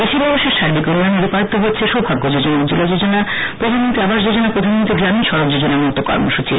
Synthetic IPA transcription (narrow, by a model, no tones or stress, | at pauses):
b̪eʃiɾbɔboʃeɾʃaɾbikoɾuanebipaɾit̪oɦoet͡ɕʰeʃɔbʱaɡːod͡ʑod͡ʑonad͡ʑulad͡ʑod͡ʑonapɾod̪ʱanmont̪ɾiabaʃd͡ʑod͡ʑonapɾod̪ʱanmont̪ɾiɡɾaminʃɔɾok̚d͡ʑod͡ʑonaɾmut̪ːokɔ̰ɾmo̰ʃut͡ɕḭ